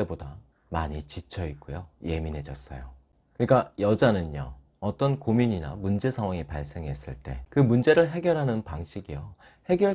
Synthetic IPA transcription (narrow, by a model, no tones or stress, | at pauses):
eboda | maɲit͡ɕit͡ɕʰʌik̚k͈ujoje̞minɦe̞d͡ʑʌs͈ʌ̰jo | kɯɲik͈ajʌd͡ʑanɯnjʌ | ʌt͈ʌnkomiɲina̰mund͡ʑe̞sʰaŋwaŋipaɭs͈e̞ŋɦe̞s͈ɯɭt͈e̞̰kɯmund͡ʑe̞ɾɯɭɦe̞ɡjʌɾɦanɯnpaŋɕʰiɡijʌ | he̞ɡjʌɭ